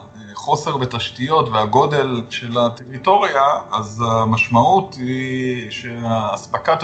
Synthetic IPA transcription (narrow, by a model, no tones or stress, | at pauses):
χo̞se̞ʁbetaʃtijo̞tveaɡo̞de̞lʃe̞lateʁito̞ʁjaazamaʃmautiʃeaːspakat̪